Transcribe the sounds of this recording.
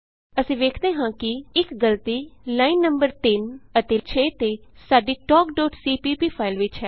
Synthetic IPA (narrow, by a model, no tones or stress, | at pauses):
əsĩːʋeːkʰd̪eːɦãːkɪɪkɡəlt̪iːlaːiːnːəmbəɾt̪ɪnət̪eːt͡ʃʰeːt̪eːsaːɖiːʈɔːkɖɔːʈsiːpiːpiːpʰaːɪlʋɪt͡ʃɦɛː